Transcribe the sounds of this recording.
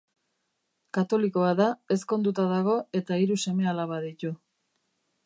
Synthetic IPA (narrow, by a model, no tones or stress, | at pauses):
kat̪o̞liko̞aðae̞sko̞nd̪ut̪aðaɣ̞o̞e̞t̪aiɾuse̞me̞alaβaðit̪u